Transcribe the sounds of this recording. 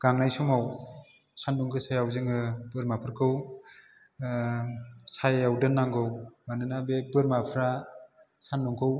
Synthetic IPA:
ɡ̥aŋnajsumaw | sandɔŋkʰɯsajawzɯŋɯbɯɾmapʰɯɾkʰɯw | sajawdɯnːaŋɡɯwmanɯnabebɯɾmapʰɾa | sanːɔŋkʰɯw

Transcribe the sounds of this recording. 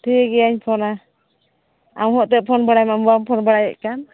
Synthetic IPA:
t̪ʰiɡɛjaɲpʰɔna | awɦɔʔt̪ɛʔ̚pʰɔnbaɽajmambampʰɔnbaɽajɛ̰ʔkan

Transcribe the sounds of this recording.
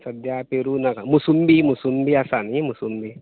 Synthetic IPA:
sɐd̪japeɾunaɡamusumbimusumbiasanimusumbi

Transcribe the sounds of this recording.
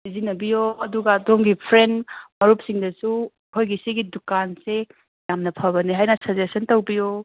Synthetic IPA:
bizinɐbijoɐduɡɐːdomɡipʰɾenmɐɾup̚siŋdɐsu | hojɡisiɡidukanse | jamnɐpʰɐbɐniɦajnɐsɐzesɐntɐwbijo

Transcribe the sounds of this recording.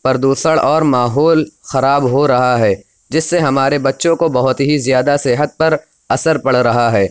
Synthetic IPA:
pɐɾd̪uːsəɽɔːɾmaːɦoːlxɐɾaːbɦoɾɐɦaɦɛː | d͡ʒɪsːeɦɐmaːɾebɐtːʃõkobɐɦʊt̪ɦizjaːd̪asɪɦət̪̚pɐɾ | ɐsəɾpɐɽ̤ɾɐɦaɦɛː

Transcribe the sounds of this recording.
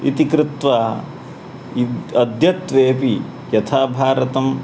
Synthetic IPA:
ḭt̪ikɾut̪ʋa | iɐd̪ʱjɐt̪ʋeːpi | jɐt̪ʰaːbʱaːɾɐt̪ɐm

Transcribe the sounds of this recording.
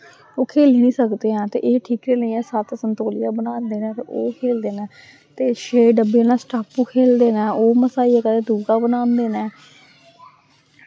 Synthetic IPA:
oːkʰeːliːnĩːsəkd̪eːãːt̪ḛːʔeːʈʰiːkɾeːləiːɛːsət̪sənt̪oːlɪjãːbənaːnd̪eːnɛ̃ːoːkʰeːld̪eːnɛ̃ː | t̪eːʃeːɖəbeːnãːsʈaːpːuːkʰeːld̪eːnɛːoːməsaːiːɛːkəd̪eːd̪uːɡaːbənaːnd̪eːnɛː

